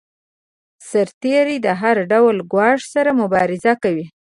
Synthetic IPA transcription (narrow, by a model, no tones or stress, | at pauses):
saɾt̪eɾid̪əɦaɾɖawlɡwɑʂsaɾamʊbɑɾɪzakawi